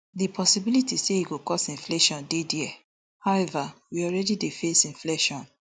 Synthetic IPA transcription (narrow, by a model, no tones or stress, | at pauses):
dipʰɔsibilitiseiɡokɔsĩɱfleʃɔ̃ndediɛ | haʊɛvawiɔlɹɛdidefesĩɱfleʃɔ̃n